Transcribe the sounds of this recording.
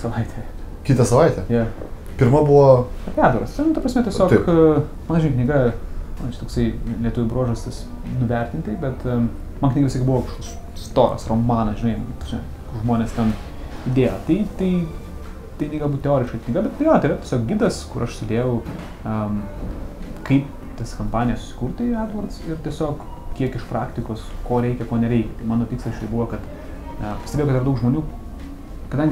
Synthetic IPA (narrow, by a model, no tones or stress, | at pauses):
sɐʋɐɪt̪ʲʰɛː | kʲiːt̪ɐsɐʋɐɪt̪ʲɛːjɛ | pʲɪɾmɐbuʋoɐpʲæɾd̪ɐɾɐst̪ʲɛnʊt̪ɐpɾrɐsʲmʲɛtʲɛssʲoːt̪kmɐnɐʒʲɪnɐɪknʲɪɡɐmɐt͡ʃʲɛ̥t̪oːksɐɪlʲiɛt̪ʊʋʲʊbɾoɔʒosʲt̪ʲɪs | nʊʋʲɛɾʲt̪ʲɪnʲt̪ʲɪbʲɛt̪ | mɐnknʲiɡɐsʲikʲɪbʊʋoːkɐʃkoksst̪oːɾɐ̰sroːmɑːnɐʒʲɪnɐɪtʒʲɪn | ʊʒmoːnʲeːst̪ʲɛn | id̪ʲeːjoːt̪ɐɪt̪ɐɪ | t̪ɐɪnʲɛɪɡɐlˠbut̪̚ʲtʲɛoːɾʲɪʃkɐkʲɪnʲiɪɡɐbʲɛt̪tɐɪjoːt̪ɐɪɾɐt̪ʲiɛsʲoːk̚ɡʲiːd̪ɐskʊɾʔɐʃsʲʊd̪ʲeːjɛʊ | ɐ | kɐɪp | t̪ɐskɐmpɑːnʲɪjɛsʊ̥sʲɪ̥kuɾt̪ʲɪæːd̪ʋɐrt̪sɪɾt̪ʲiɛsʲoːk | kʲiɛkɪʃpɾɑːkt̪ʲɪkoːskoːɾʲɛɪkʲɛkoːnʲɛɾʲɛɪkʲɛt̪ɐɪmɑːnoːpʲiːkslˠɐst͡ʃʲʊɛɪbuʋoːkɐt̪ | ɐpɐ̥st̪ʲebʲeːokɐtɪɾɐd̪ɐʊkʒmoːnʲuː | kɐdɐ̃ŋʲɡʲɪ